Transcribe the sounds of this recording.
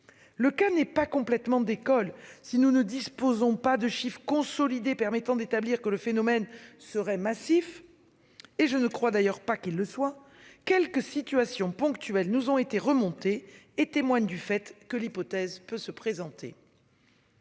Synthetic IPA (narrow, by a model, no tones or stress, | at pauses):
ləkanɛpakɔ̃plɛt̪mɑ̃d̪ekɔlsinunəd̪ispozɔ̃pad̪əʃifχəkɔ̃sɔlid̪epɛʁmɛt̪ɑ̃d̪et̪abliʁkələfenɔmɛnsəʁɛmasif | eʒənəkχwad̪ajœʁpakilːəswa | kʲɛlkəsit̪yasjɔ̃pɔ̃kt̪ɥɛlnuzɔ̃et̪eʁəmɔ̃t̪eːt̪emwaɲd̪yfɛt̪kəlipɔt̪ɛzpøsəpχezɑ̃t̪ʰḛ